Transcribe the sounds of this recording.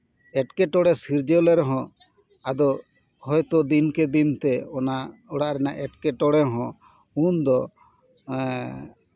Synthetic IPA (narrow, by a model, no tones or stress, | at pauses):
ɛʈkɛʈɔɽɛsiɾd͡ʒɛlɛɾɔɦɔ̃ | ad̪ɔ | hɔjt̪ɔd̪inkɛd̪int̪ɛɔnaɔɽaʔɾɛnaʔɛʈkɛʈɔɽɛɦɔ̃ | und̪ɔ